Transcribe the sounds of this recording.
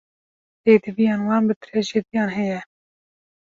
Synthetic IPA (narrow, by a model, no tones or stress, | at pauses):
beːd̪ɨvijɑːnwɑːnbɨt̪ɾɛʒed̪ijɑːnɦɛjɛ